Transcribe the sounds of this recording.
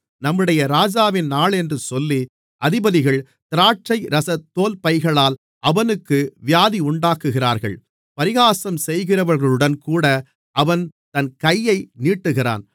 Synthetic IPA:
nɐmːɯɽɐjɐɾaːd͡ʒaːʋɪnaːɭɛndrɯsɔlːi | ʔɐðɪbɐðɪɣɐɭ | t̪ɪɾaːʈt͡ʃɐɪɾɐsɐt̪ːoːlpɐɪɣɐɭaːl | ʔɐʋɐnɯkːɯʋɪjaːðiʊɳɖaːkːɯɣɪɾaːɾɣɐ̰ɭ | pɐɾɪɣaːsɐmsɛjɣɪrɐʋɐɾɣɐɭɯɽɐnkuːɽɐ | ʔɐʋɐnt̪ɐnkɐjːɐɪniːʈːɯɣɪra̰ːn

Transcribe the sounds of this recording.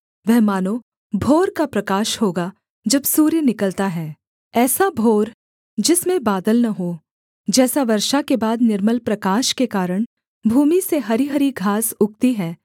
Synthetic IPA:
ʋɛɦmaːno | bʱoːɾkapɾɐkaːʃhoːɡa | d͡ʒɐbsuːɾjənɪkəlt̪aɦɛː | ɛːsabʱoːɾ | d͡ʒɪsmẽbaːd̪əlnɐɦo | d͡ʒɛːsaʋɐɾʃakebaːd̪nɪɾməlpɾɐkaːʃkekaːɾəɽ̃ | bʱuːmiseɦɐɾiɦɐɾiɡʱaːsʊk̚t̪iɦɛː

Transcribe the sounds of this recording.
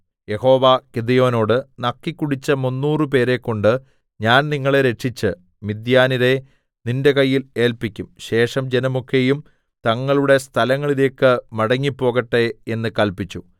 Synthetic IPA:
je̞ho̞ːʋakid̪ɐjo̞ːno̞ːɽɨnɐkːikːuɽit͡ɕːɐmunːuːrɨp̬e̞ːɾe̞kːo̞ɳɖɨ | ɲaːnniŋːɐɭe̞ɾe̞ʈʂit͡ɕːɨ | mid̪jaːniɾe̞ | ninde̞kɐjːile̞ːlpikʲːumɕe̞ːʂɐmd͡ʑenɐmokʰːe̞jum | t̪ɐŋːɐɭuɽe̞st̪ʰɐlɐŋːɐɭile̞ːkːɨmɐɽɐŋːipːo̞ːɣɐʈːe̞e̞nːɨkɐlpit͡ɕːu

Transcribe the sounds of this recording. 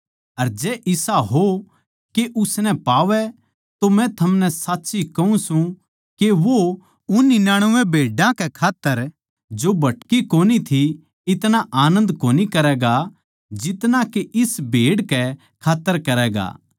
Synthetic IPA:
ɐɾd͡ʒɛːʔɪsaɦo | keʔʊsnɛ̃paːʋɛ | t̪omɛ̃t̪ʰɐmnɛsaːtːʃikɐũsũ | keʋo | ʊnːɪnaːɽ̃ʊʋɛ̃bʱeːɖãkɛkʰaːt̪ːəɾ | d͡ʒoːbʱɐʈkikoːnit̪ʰi | ɪt̪naʔaːnə̃nd̪koːnikɐɾɛːɡa | d͡ʒɪt̪nakeʔɪsbʱeːɽkɛ | kʰaːt̪ːəɾkɐɾɛːɡa̰ː

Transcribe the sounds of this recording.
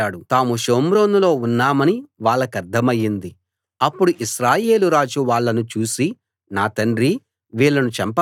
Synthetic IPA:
aːɽut̪aːmuʃoːmɾoːnulo̞ːunːaːmɐniʋaːɭːɐkɐɾd̪ʱːɐmɐjːind̪i | ɐpːuɽuʔiʃɾaːje̞ːluɾaːd͡ʒuʋaːɭːɐnut͡ʃuːsi | naːt̪ɐɳɖɾi | ʋiːɭːɐnut͡ʃɐmpɐ

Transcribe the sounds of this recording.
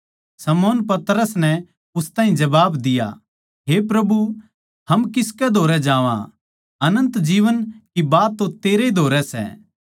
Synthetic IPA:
sɐmoːnpɐt̪ɾəsnɛ | ʊst̪aːɦĩd͡ʒɐbaːbd̪ɪja̰ | ɦepɾɐbu | hɐmkɪskɛd̪ʱoːɾɛd͡ʒãːʋã̰ | ɐnə̃nt̪d͡ʒiːʋənkibaːt̪ːõt̪eːɾeid̪ʱoːɾɛsɛ̰ː

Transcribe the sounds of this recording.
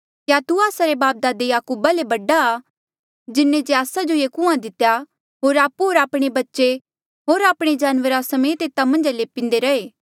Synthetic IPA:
kjat̪uaːsaɾebaːp̚d̪aːd̪ejaːkuːbalebɐɖaː | d͡ʒɪnːẽd͡ʒeaːsad͡ʒojekũãd̪ɪt̪ːja | ɦoːɾaːpuɦoːɾaːpɽ̃ebɐtːʃe | ɦoːɾaːpɽ̃ed͡ʒaːnʋəɾasɐmẽːt̪eːt̪amɐ̃nd͡ʒaleːpɪ̃nd̪eɾɐeː

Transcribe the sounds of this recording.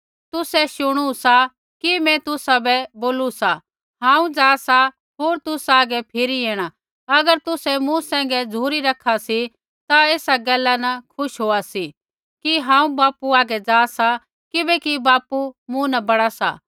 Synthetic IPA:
t̪ʊsɛʃʊɽ̃usa | kimɛ̃t̪ʊsabɛboːlusa | ɦãːũd͡zaːsa | ɦoːɾt̪ʊsaːɡɛpʰɪɾieːɽ̃a | ɐɡəɾt̪ʊsɛmũsɛ̃ːŋ̆ɡɛd͡zʱuːɾiɾɐkʰasi | t̪aeːsaɡɛːlːanɐkʰʊʃɦoːasi | kiɦãːũbaːpuaːɡɛd͡zaːsa | kɪbɛkibaːpumũnɐbɐɽ̃asa̰

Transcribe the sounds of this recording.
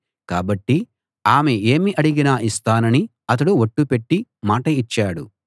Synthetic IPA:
kaːbɐʈːi | aːmee̞ːmiʔɐɽiɡinaːʔist̪aːnɐni | ɐt̪̬ɐɽuʋoʈːupe̞ʈːimaːʈɐit͡ʃːaːɽu

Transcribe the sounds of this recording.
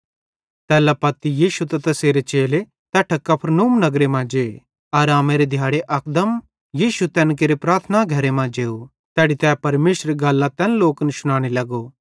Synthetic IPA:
t̪ɛːlapɐt̪ːijiːsut̪ɐt̪ɐseːɾet͡ʃeːle | t̪ɛːʈʰɐkːɐpʰɾnuːmnɐɡɾemãd͡ʒeː | ɐɾaːmeːɾed̪ʱjaːɽeʔɐkd̪əm | jiːsut̪ɛ̃ːnk̬eːɾepɾaːɾt̪ʰənaɡʱɐɾemãd͡ʒeːu | t̪ɛːɽit̪ɛːpɐɾmeːʃɾeɡalːãt̪ɛ̃ːnloːkənsʊɽ̃ãːɽ̃elɐɡo

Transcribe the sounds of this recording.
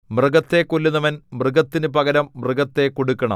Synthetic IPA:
mrɨɡɐt̪ːe̞kːolːunːɐʋɐnmrɨɡɐt̪ːinɨpɐɡɐɾɐmːrɨɡɐt̪ːe̞koɽukːɐɳɐ̰m

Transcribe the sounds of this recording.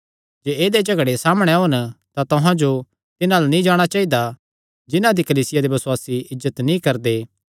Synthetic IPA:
d͡ʒeːeːd̪ed͡ʒɐɡɽesaːməɽ̃ɛɦont̪at̪ʊɦãd͡ʒo | t̪ɪnãlanĩd͡ʒaːɽ̃at͡ʃaːid̪a | d͡ʒɪnãd̪ikɐliːsɪjad̪ebɐsʊwaːsiɪzːət̪nĩkɐɾd̪eː

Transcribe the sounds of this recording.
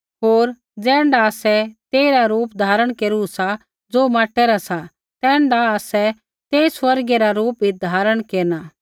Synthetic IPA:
ɦoːɾ | d͡zɛ̃ːɳɖaːsɛt̪eːiɾaɾuːpd̪ʱaːɾəɽ̃keːɾusa | d͡zoːmaːʈɛɾasa | t̪ɛ̃ːɳɖaasɛ | t̪eːisʋɐɾɡɛɾaɾuːpid̪ʱaːɾəɽ̃keːɾna

